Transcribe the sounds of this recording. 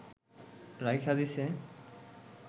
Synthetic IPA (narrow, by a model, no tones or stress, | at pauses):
ɾajkʰad̪ise